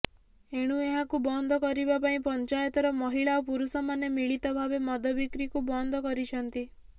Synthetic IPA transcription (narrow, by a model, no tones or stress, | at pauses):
eɽ̃ueɦakubɔnd̪ʱɔkɔɾibapaĩpɔnt͡ʃajɔt̪ɔɾɔmɔɦiɭaopuɾusɔmanemiɭit̪ɔbʱabemɔd̪ʱɔbikɾikubɔnd̪ʱɔkɔɾit͡ʃʰɔnt̪i